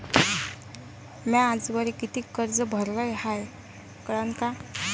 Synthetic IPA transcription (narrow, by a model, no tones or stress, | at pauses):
maːd͡zʋəɾikit̪iːkəɾd͡zəbʱəɾləjhaj | kəɽənka